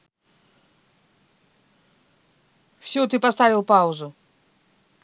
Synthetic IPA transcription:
fsʲut̪ɨpɐst̪avʲɪlˠpaʊzʊ

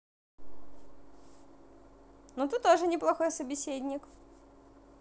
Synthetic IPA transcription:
nut̪ɨt̪ːoʐɨnʲɪplˠɐxo̞jsəbʲɪsʲedʲnʲɪk

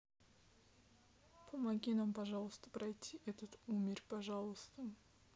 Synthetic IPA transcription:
pʰomaɡʲinampɑʒɑlˠəst̪əpɾajt̪ʲʰːiʔet̪ət̪umʲɪrpɑʒɑlˠəst̪ə

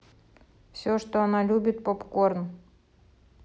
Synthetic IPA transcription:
fsʲoʂt̪oɐnalʲubʲɪt̪̚popkorn

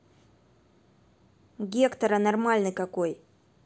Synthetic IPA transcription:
ɡʲekt̪ɐɾɐnɐrmalʲnɨkɐkoj

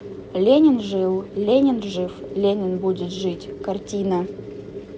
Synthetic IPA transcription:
lʲenʲɪnʐɨlˠlʲenʲɪnʐɨflʲenʲɪnbudʲɪt̪ʐɨtʲkartʲinə

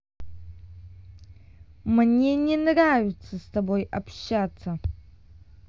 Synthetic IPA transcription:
mnʲenʲɛnravʲɪtt͡sːɐst̪abo̞jɐpɕːat͡sːɐ

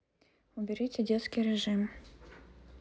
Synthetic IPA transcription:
ʊbʲɪɾʲitʲɪdʲet̪skʲijɾʲɪʐɨm

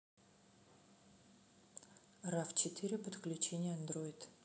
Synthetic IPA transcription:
raft͡ɕɪt̪ɨɾʲɪpət̪klʲʉt͡ɕenʲɪjəɐnd̪ro̞ɪt̪

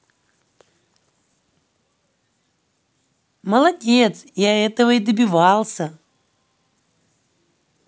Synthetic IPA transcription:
məlˠadʲet̪sjaɛt̪əvəid̪əbʲivalˠsʲə

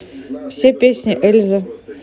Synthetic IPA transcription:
fsʲepʲesʲnʲɪʔɛlʲzə

